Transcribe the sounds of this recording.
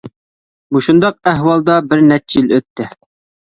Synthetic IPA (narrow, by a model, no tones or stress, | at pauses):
muʃund̪ɑq̚æɦwɑlˠd̪ɑbɪɾnɛt͡ʃʰːiløt̪ʰːɪ